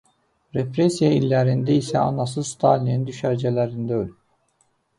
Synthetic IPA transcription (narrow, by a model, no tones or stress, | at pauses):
ɾepɾesijailʲːæɾind̪ɛisɛɑ̰nɑs̬ɯzst̪ʰalʲinind̪yʃæɾd͡ʒɛlʲæɾind̪æølʲyy